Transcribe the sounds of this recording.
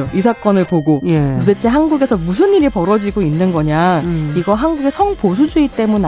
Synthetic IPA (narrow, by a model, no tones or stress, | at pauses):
oisʰak͈ʌnɯɭpoɡojeudet͡ɕʰiɦanɡuɡe̞sʰʌmus̬ʰɯniɾipʌɾʌd͡ʑiɡoinːɯnɡʌɲaiɡʌɦanɡuɡe̞sʰʌŋposʰud͡ʑuit͈e̞mune